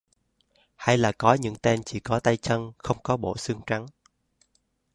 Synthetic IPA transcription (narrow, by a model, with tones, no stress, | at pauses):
ha˧jlaː˨˩kɔ˨˦ɲɨ̰˧˥ŋt̪e˧nt͡ɕḭ˧˩kɔ˨˦t̪a˧jt͡ɕə˧nxə˧wŋ͡mkɔ˨˦ɓo̰˧˨sɨ˧əŋt͡ɕa˨˦ŋ